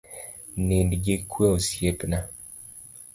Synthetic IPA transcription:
nendɡekʰweosjepna

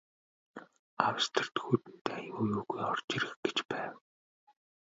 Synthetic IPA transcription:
awst̪ʰə̆r̥t̪xuːt̪ɘ̆n̥t̪ʰeːjuːjuːɣujɔr̥t͡ɕiɾɘ̆xɡet͡ɕpæːw

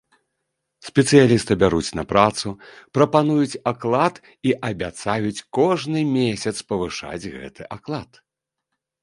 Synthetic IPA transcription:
sʲpʲɛt̪sɨjalʲist̪ɨbʲaɾut͡sʲnɐpɾat̪supɾɐpanujut͡sʲaklˠat̪ | iʔɐbʲat̪sajut͡sʲkɔʐnɨmʲesʲɐt̪spɐvɨʂa̰d͡zʲɣɛ̰t̪ɨʔaklˠat̪

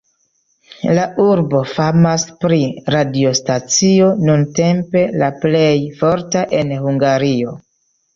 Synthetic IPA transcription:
laʔuɾbo̞famaspɾiɾadio̞stat͡sio̞nunte̞mpe̞laple̞jfo̞ɾtaʔe̞nhuŋɡaɾio̞

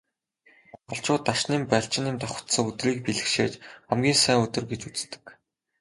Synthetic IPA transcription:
χɞ̆ɮt͡ɕʊːt̪ːaʃniːmpæɬt͡ɕɪ̆nɪmt̪aχʊ̥t̪sə̆ŋɵt̪riːk̚piɮɘ̆xʃḛːt͡ɕχæmɡʲiːnsæːŋɵt̪ɵ̆rɡet͡ɕut͡st̪ɘ̥̆k

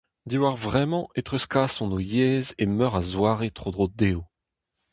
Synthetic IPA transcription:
d̪iwaʁvʁɛmɑ̃et̪χøskaːsɔ̃nojɛːzemœʁazwaːʁet̪χod̪ʁod̪eːo

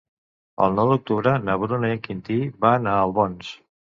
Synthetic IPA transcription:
ə̰lˠnɔwd̪uk̚t̪uβɾənəβɾunəeŋkint̪ibaənaəlˠβɔns

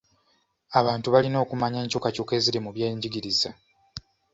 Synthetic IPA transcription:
aβaːntuβalino̞ːkumaɲeːɲcokacoke̞ːziɾimuβje̞ːɲɟiɡiɾiza

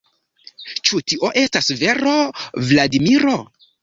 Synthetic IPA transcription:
t͡ʃutiʔo̞ʔe̞stasve̞ɾo̞vladimiɾo̞

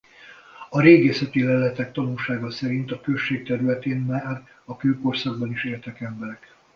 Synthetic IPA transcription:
ɒɾeːɡeːsɛt̪ilɛlɛt̪ɛk̚t̪ɒnulʃaːɡɒsɛɾint̪ɒkø̞ʃːeːk̚t̪ɛɾylɛt̪eːnmaːr | ɒkøːko̞rsɒɡbɒniʃeːlt̪ɛkɛmbɛɾɛk

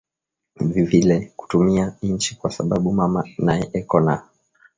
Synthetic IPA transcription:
vivilɛku̥tumian̩t͡ʃikwasaɓaɓumamanajɛʔɛkɔna

